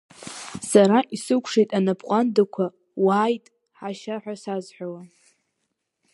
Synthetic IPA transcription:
saɾaʔisɨkʷʰʂejtʼanapʰʼqʷʼandakʷʰa | waːjtʼ | ħaʃaħʷᶣasazħʷᶣawa

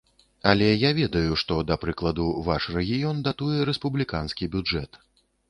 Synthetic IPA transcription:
ɐlʲɛjavʲɛd̪ɐjuʂt̪ɔd̪ɐpɾɨklˠɐd̪uvaʂrɛɣʲijɔnd̪at̪ujɛɾɛspublʲikanskʲibʲud͡ʐɛt̪

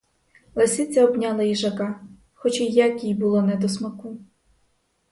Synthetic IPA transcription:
lˠesʲit͡sʲːɐɔbnʲɑlˠɐjiʒɐkɑ | xɔt͡ʃijakʲijbulˠɔnɛd̪ɔsmɐku

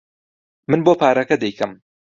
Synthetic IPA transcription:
mɨnboːpʰaːɾɐkɐd̪ɛjkɐm

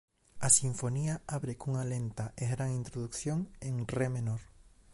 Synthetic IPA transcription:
asiɱfoniaaβɾekuŋalent̪aʔeɣɾaŋint̪ɾoðukθjoŋeŋremenoɾ

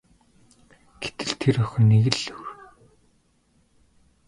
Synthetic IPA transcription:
ɡ̥et̪ɘ̆ɮt̪ʰerœxʲɞ̆neɣɘ̆ɮɵr

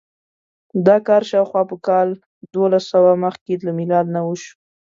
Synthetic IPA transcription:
d̪ɑkɑɾʃɑwxwɑpəkɑl | d̪olasawaməxkelamilɑd̪nawəʃu̥

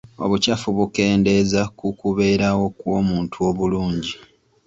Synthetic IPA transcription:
o̞̰βucafuβuke̞ːnde̞zakukuβe̞ːɾawo̞kwo̞ːmuːntʰuo̞βuluːɲɟi

